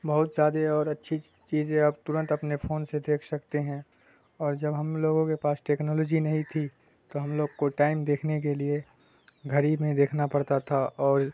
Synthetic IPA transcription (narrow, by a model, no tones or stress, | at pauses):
bɐɦʊt̪zjaːd̪eɔːɾɐtːʃʰi | t͡ʃiːzẽɐb̚t̪ʊɾə̃nt̪ɐpnepʰoːnsed̪eːkʰsɐkt̪eɦɛ̃ | ɔːɾd͡ʒɐbɦɐmloːɡõkepaːsʈeːknɔːlɔːd͡ʒinɐɦĩt̪ʰi | t̪oɦɐmloːɡkoʈaːɪmd̪eːkʰnek̬elie | ɡʱɐɾimẽd̪eːkʰnapɐɽt̪at̪ʰaʔɔːɾ